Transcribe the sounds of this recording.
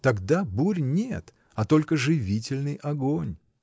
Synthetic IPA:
t̪ɐɡd̪abuɾʲnʲet̪ | ɐt̪o̞lʲkəʐɨvʲitʲɪlʲnɨjʔɐɡonʲ

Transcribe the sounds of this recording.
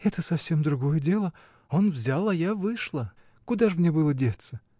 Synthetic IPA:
ɛt̪əsɐfsʲe̞md̪ɾʊɡo̞jədʲe̞lˠə | o̞nvzʲalˠɐjavɨʂlˠə | kʊd̪aʐɨmnʲebɨlˠədʲet̪sə

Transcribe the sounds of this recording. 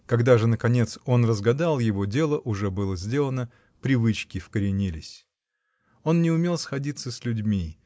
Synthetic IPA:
kɐɡd̪aʐɨnəkɐnʲe̞t̪so̞nrəzɡɐd̪alˠjɪvo̞dʲe̞lˠəʔʊʐɛbɨlˠəzʲdʲe̞lˠənə | pɾʲɪvɨt͡ɕkʲɪfkəɾʲɪnʲilʲɪsʲ | o̞nnʲɪʊmʲe̞lˠsxɐdʲit̪səsʲlʲʊdʲmʲi

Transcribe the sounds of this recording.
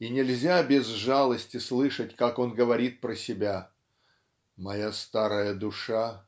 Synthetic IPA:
inʲɪlʲzʲabʲɪzʐalˠəsʲtʲɪslˠɨʂətʲkako̞nɡəvɐɾʲit̪̚pɾəsʲɪbʲa | mɐjast̪aɾəjəd̪ʊʂa

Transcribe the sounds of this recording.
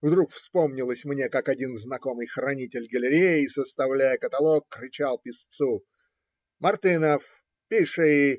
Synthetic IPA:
vd̪ɾukfspo̞mnʲɪlˠəsʲmnʲe̞kakɐdʲinznɐko̞mɨjxɾɐnʲitʲɪlʲɡəlʲɪɾʲejɪːsəst̪ɐvlʲæjəkət̪ɐlˠokːɾʲɪt͡ɕalˠpʲɪst̪su | mɐrt̪ɨnəf | pʲiʂɨi

